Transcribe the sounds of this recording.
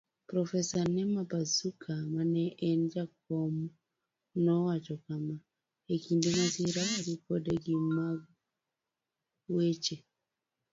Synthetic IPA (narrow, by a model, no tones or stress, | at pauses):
pɾɔfɛsanɛmabasukʰamanɛʔːnd͡ʒak̚ɔmu | nɔwat͡ʃɔkama | ekindemasiɾaaɾikɔdeɡima | wet͡ʃe